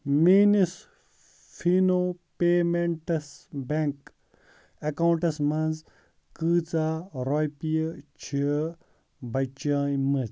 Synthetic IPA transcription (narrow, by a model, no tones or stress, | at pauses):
miːnis | fʰinopeːmeɳʈɐsbeŋk | ɐkawuɳʈɐsmɐnz | kɨːt͡saːɾojpijt͡ʃʰi | bɐt͡ʃaːjmɨz